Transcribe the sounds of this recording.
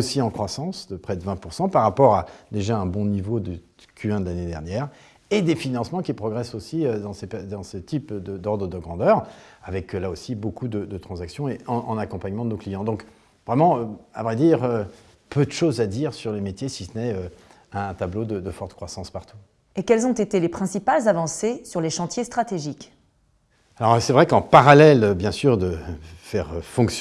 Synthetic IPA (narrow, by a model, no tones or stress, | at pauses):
osiɑ̃kχwasɑ̃sd̪əpχɛd̪əvɛ̃puʁsɑ̃paʁːapɔʁad̪eʒaɛ̃bɔ̃nivod̪əd̪əkʲʰyɛ̃d̪əlaned̪ɛʁnjɛːʁ | ed̪efinɑ̃smɑ̃kʲipχɔɡʁɛsosiød̪ɑ̃sepɛd̪ɑ̃sət̪ipd̪əd̪ɔʁd̪ʁəd̪əɡʁɑ̃d̪œʁavɛklaosibokud̪əd̪ət̪χɑ̃zaksjɔ̃eɑ̃ʔɑ̃nakɔ̃paɲmɑ̃d̪ənoklijɑ̃d̪ɔ̃k | vʁɛmɑ̃øa̰vʁɛd̪iʁø | pød̪əʃozad̪iʁsyʁlemet̪jesisənɛø | ɛ̃t̪ablod̪əd̪əfɔʁt̪kχwasɑ̃spaʁt̪ʰu̥ | ekɛlzɔ̃t̪et̪elepχɛ̃sipalzavɑ̃sesyʁleʃɑ̃t̪jest̪χat̪eʒik | alɔʁsɛvʁɛkɑ̃paʁalɛløbjɛ̃syʁd̪əfɛʁfɔ̃ks